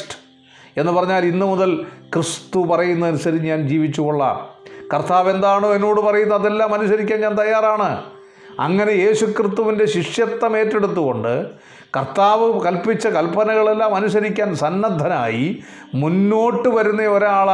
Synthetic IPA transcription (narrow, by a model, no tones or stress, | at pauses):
ʈ | e̞nːɨpɐrɐɲːaːlinːɨmuðɐlkrɨst̪upɐrɐjunːɐɐnusɐɾiɲaːnd͡ʑiːʋit͡ɕːuɣoɭːɐ̰kɐrt̪ʰaːʋend̪aːɳoːe̞nːo̞ːɽɨpɐrɐjunːɐɐðe̞lːaːmɐnusɐɾikʲːaːnɲaːnt̪ɐjːaːraːɳɨ | ɐ̰ŋːɐne̞je̞ːɕukrɨst̪ːuʋinde̞ɕiʂjɐt̪ːɐme̞ːtːe̞ɽut̪̬ːuɣo̞ɳɖɨ̰ | kɐrt̪aːʋɨkɐlpit͡ɕːɐkɐlpɐnɐɣɐɭe̞lːaːmɐnus̬ɐɾikʲːaːnsɐnːɐd̪ʱɐnaːji | munːo̞ːʈːɨʋɐɾunːɐoɾeaːɭ